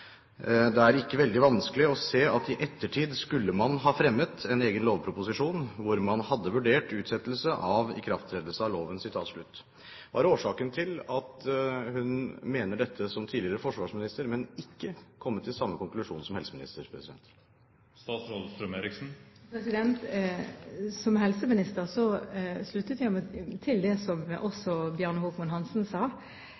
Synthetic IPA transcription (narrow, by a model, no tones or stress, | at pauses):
d̪ɛæɾɪkːəʋɛld̪ɪʋɑnskəlɪɔseːɑt̪ɪʔɛt̪ʰːəʈʰiːd̪skʉlːəmɑnɦɑːfɾɛmːət̪ɛneːɡənloːʋpʰɾʊpʊsɪʂuːnʋʊɾmɑnhɑd̪ːəʋʉɖeːʈʉːt̪sɛt̪ːəlsəʔɑʋɪ̰kʰɾɑft̪ʰɾeːd̪əlsəɑʋloːʋənsɪt̪ʰɑːt̪ʂɭʉt̪ː | ʋɑ̰ːɾoːʂɑːkənt̪ʰɪlɑt̪hʉnmeːnəɖɛt̪ʰːəsɔmt̪ʰiːlɪəɾəfɔʂʋɑːʂmɪnɪst̪əɾmɛnɪkːəkʰɔmːət̪ʰːɪlsɑmːəkʰɔŋklʉʂuːnsɔmhɛlsəmɪnɪ̰st̪əɾpʰɾɛsɪd̪ɛ̰nt̪ | st̪ɑːt̪sɾolst̪ɾœmeɾɪksn̩pʰɾɛsɪd̪ɛnt̪ | sɔmhɛlsəmɪnɪst̪əʁsɔslʉt̪ːət̪jæɪmt̪ʰɪld̪ɛsɔmʔɔsɔbjøːɳhuːkmɑnɦɑnsnsɑː